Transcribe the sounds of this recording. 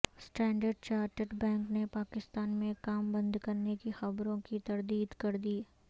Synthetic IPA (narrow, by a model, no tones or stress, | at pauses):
sʈɛ̃ːɳɖəɾɖ̚t͡ʃaːɾʈəʈbɛ̃ːŋknepaːkɪst̪aːnmẽkaːmbɐ̃nd̪kɐɾnekixɐbɾõkit̪ɐɾd̪iːd̪kɐɾd̪iː